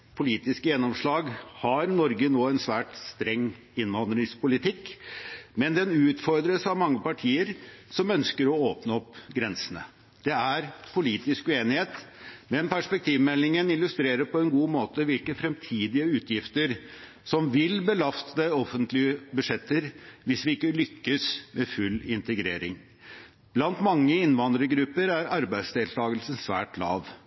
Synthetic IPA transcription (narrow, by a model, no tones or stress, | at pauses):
pʰʊliːt̪ɪskəjɛnːɔmʂɭɑːɡhɑɾnɔɾɡənoːɛnsʋæːʈst̪ɾɛŋː | ɪnːʋɑnd̪ɾɪŋspʊlɪt̪ʰɪkː | mɛnd̪ɛnʉːt̪fɔɾd̪ɾəsɑʋmɑŋːəpɑʈʰiːəɾsɔmœnskəɾɔoːpnəɔpːɡɾɛnsənə̰ | d̪̥ɛæɾpʰʊliːt̪ɪskʉeːnɪheːt̪mɛnpʰæʂpɛk̚t̪ʰiːʋmɛlːɪŋənɪlːʉst̪ɾeːɾəɾpɔɛnɡuːmoːt̪əʋɪlkəfɾɛmt̪ʰiːd̪ɪəʉːt̪ʰjɪft̪əɾ | sɔmʋɪlbəlɑst̪əɔfːənt̪lɪəbʉʂɛt̪ːəɾʋɪsʋɪɪkːəlʏkːəsmʔɛfʉlːɪnt̪əɡɾḛːɾɪ̰ŋ | b̥lɑnt̪mɑŋːəɪnʋɑnd̪ɾəɡɾʉpːəɾæɾɑɾbæɪd̪sd̪eːlt̪ʰɑːɡəlsənsʋæ̰ːʈlɑ̰ːʋ